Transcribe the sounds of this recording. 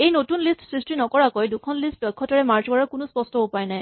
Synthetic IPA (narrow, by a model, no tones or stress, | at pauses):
ejnotunlistsɹistinɔkɔɹakojdukʰɔnlistɔkʰːɔtɔɹɛmaɹd͡ʒɔɹakʊnuspɔstɔɦʊpajnaj